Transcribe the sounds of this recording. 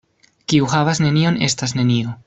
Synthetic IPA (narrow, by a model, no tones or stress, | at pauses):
kiuhavasne̞nio̞ne̞stas̬ne̞nio